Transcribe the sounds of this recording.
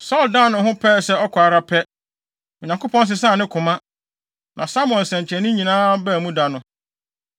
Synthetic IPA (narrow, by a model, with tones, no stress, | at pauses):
sɔ˦˨lda˦˨nʊ̃˨ɦʊ̃˦pʰɛ˦˨sɛ˦ɔ˦kʰa˨ɾa˦pʰɛ˦ | ɔ˨ɲã˨ŋko˦pʰɔ̃˦ns̬ɪ˨s̬ãː˦˨nɪ̃˦kʰʊ̃˨mã˦ | nʔã˨sa˦mʊ̃˦ɔ̃˨nsɛ̃˨ɲ˨t͡ɕʰɛ̃˨nɪ̃˦ɲĩ˨nãː˦bɛ˦˨mũ˦da˨nʊ̃˨